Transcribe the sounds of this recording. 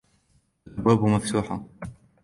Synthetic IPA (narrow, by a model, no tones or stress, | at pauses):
bːæbməft̪uːħa